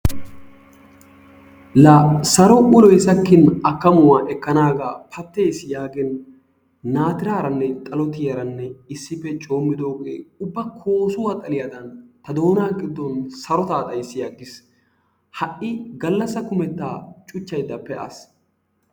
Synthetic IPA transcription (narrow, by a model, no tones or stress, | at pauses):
lasɐɾɔʊlɔjsɐkːɪnɐkːɐmʊwaːʔɛkːɐnaːɡaːpʰɐt̪ːe̞ːsɪjaːɡɛnː | aːt̪ɪɾaːɾɐnːɛt̪ʼɐlɔt̪ɪjɐɾɐnːɛɪsːɪpːɛt͡ʃʼo̞ːmːɪd̪oːɡḛːʊbːɐkʰoːsʊwɐt̪ʼɐlɪjɐd̪ɐnt̪ɐd̪o̞ːnaːɡɪd̪ːɔnsɐɾɔt̪aːt̪ʼɐjsːɪjaːɡɪs | hɐʔɪɡɐlːɐsːɐkʊmɛt̪ːaːt͡ʃʼʊt͡ʃːɐjd̪ːɐpːɛʔɐ̰s